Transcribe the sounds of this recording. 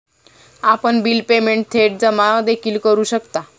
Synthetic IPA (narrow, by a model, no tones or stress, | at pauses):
apəɳbiːlpemeɳʈ̚t̪ʰeʈ̚d͡zəmad̪ekʰiːlkəɾuːɕəkt̪a